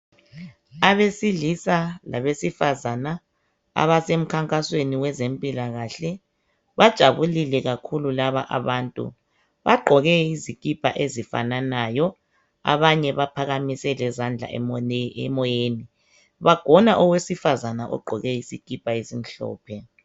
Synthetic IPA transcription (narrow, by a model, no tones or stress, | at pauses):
aβesiɮisala̰βesifazana | a̰βasem̩kʰaŋkʼasweniwɛzempʼilaɣaɬɛ | βad̥ʒ̥ʱaβulilɛɣakʰululaβaʔa̰βaːntʼṵ | βaɡ͡ǃʱɔɣɛizikʼipʰʼa̰ʔezifa̰nanajɔ | a̰βaɲɛβapʰaɣamisɛlɛzand͡ɮʱa̰ɛ̰mɔjeːni | βaɡ̥ʱɔnaʔɔwesifazanaʔɔ̰ɡ͡ǃʱɔɣɛisikʼipʰʼaesim̩ɬɔ̰ːpʰɛ